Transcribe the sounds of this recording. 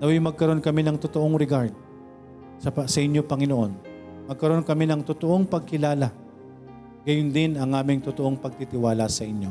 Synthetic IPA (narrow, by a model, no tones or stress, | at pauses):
nɐwɪjmɐɡ̚kɐɾo̞nkɐmɛnɐŋt̪ot̪o̞ʔo̞ŋɾɛɡaɾd̪̚ | sɐɐsɐʔɪnjopɐŋɪnoʔo̞n | mɐɡ̚kɐɾo̞nkɐmɛnɐŋt̪ʊt̪o̞ʔo̞ŋpɐɡ̚kɪlaːla | ɡɐjʊnd̪ɪnɐŋʔaːmɪŋt̪ʊt̪oʔo̞ŋpɐɡ̚t̪it̪ɪwaːlɐsɐʔɪɲjo̞